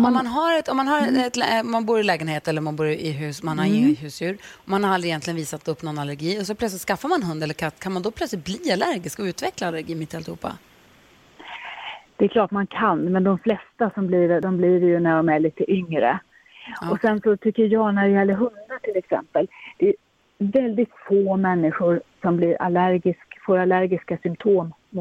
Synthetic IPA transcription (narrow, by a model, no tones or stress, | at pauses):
ɔmanɦaɾɛt̪ɔmːanɦaɾɛt̪lmanbuːɾɪlɛːɡənheːt̪ɛlːəɾmanbuːɾɪɪɦʉ̟ːsmanhaɪnɪɦʉ̟ːsjʉ̟ːɾɔmanhaɾald̪ɾɪjɛnt̪lɪɡənviːsat̪ɵpːnɔnːalæɾɡiːɔs̬ɔplœt̪slɪt̪skafːaɾmannɦɵnd̪ɛlːəɾkʰat̪ːkʰanmand̪ɔpʰlœt̪slɪt̪̚bliːalæɾɡɪskɔʉ̟ːt̪vɛklaalːæɾɡiːmɪt̪ːɪalɪhṵːpːa̰ | d̪̥ɛklɑːʈmankʰanmɛnd̪ɔmflɛst̪asɔmbliːɾɖ̪ɔmbliːɾjɵnæɖɔmæɭiːt̪əʔʏŋɾə̰ | ɔsɛnsɔt̪ʰʏkːəɾjɑnæɖɛjɛlːəɾɦɵnd̪aʈʰɪlɛksɛ̰mpəld̪̥ɛː | vɛld̪ɪt̪foːmɛnːɪɧʊɾsɔmbliːɾʔa̰læɾɡɪskfoːɾalæɾɡɪskasʏmt̪ʰoːm | mʊ